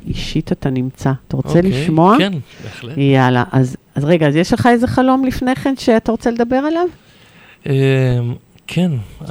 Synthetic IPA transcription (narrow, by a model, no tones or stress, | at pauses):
iʃitatanimt͡sataʁot͡seliʃmo̞anbeljala̰ʔaz | azʁe̞ɡaːzjeʃleχae̞zeχalo̞mlifne̞χe̞nʃeataʁo̞t͡seled̪abe̞ʁalav | em | kʰen